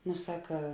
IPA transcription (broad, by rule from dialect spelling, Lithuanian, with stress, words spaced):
nʊ ˈsɑːkɐ